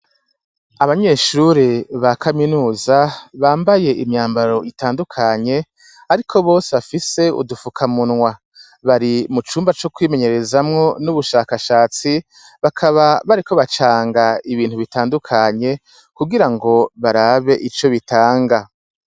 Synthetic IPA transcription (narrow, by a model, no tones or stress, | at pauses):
aβaɲe̞ʃuɾiβakʰaminuːzaβaːmbaje̞ʔimɲaːmbaɾo̞ʔitaːndukʰaɲe̞ | aɾikʰo̞βo̞ːseβafise̞ṵdufukʰamunŋwa | βaɾimut͡ʃuːmbat͡ʃo̞kwiːme̞ɲe̞ɾe̞zamŋo̞nuβuʃaːkaʃaːt͡si | βakʰaβaβaɾikʰo̞βat͡ʃaːŋɡaiβiːn̥huβitaːndukʰaɲe̞ | kuɡiɾaŋɡo̞βaɾaːβe̞ʔit͡ʃo̞βitaːŋɡa